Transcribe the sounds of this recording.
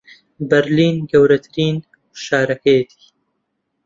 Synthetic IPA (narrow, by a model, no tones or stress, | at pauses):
bɐɾliːnɡɐwɾɐt̪ʰɨɾiːn | ʃaːɾɐkʰɐjɛt̪ʰi̥ː